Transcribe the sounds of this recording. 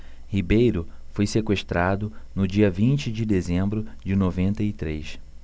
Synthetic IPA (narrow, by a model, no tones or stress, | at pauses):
hibejɾʊfojsekweʃt̪ɾad̪ʊnʊd͡ʒiɐvĩnt͡ʃɪd͡ʒɪd̪ezẽmbɾʊd͡ʒɪnovẽnt̪ɐit̪ɾejs